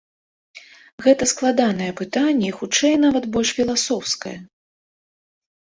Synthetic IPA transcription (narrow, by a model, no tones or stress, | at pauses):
ɣɛt̪ɐsklˠad̪anɐjɛpɨt̪anʲːɛixut͡ʂɛjn̪avɐt̪bɔlʲʂfʲilˠasɔwskɐ̰jɐ̰